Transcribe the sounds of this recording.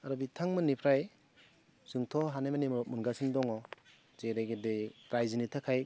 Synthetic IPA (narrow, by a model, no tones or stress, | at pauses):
aɾɔbitʰaŋmɯnipʰɾaj | z̥ɯŋtʰɔɦanemanimɔɾɔp̚munɡasindɔŋɔ | zeɾaɡedeɾajzinitʰakʰaj